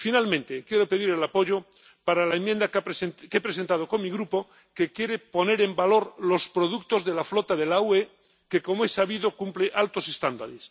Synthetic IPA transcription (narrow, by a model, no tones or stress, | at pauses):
finalmẽnt̪e̞kje̞ɾo̞pe̞ðiɾelapo̞ʝo̞ | paɾalaemje̞nd̪akskepɾes̬e̞nt̪að̞o̞ko̞nmiɣɾupo̞ | ke̞kje̞ɾe̞po̞ne̞ɾe̞mbalo̞ɾlo̞spɾo̞ðukt̪o̞zðe̞laflo̞t̪aðe̞laue | ke̞ko̞moesaβiðo̞kumpleʔalt̪o̞se̞st̪and̪a̰ɾes